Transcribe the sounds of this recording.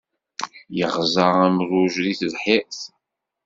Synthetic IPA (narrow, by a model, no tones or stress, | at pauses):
jəʁzəʁæmɾuʒɾiθðħiqθ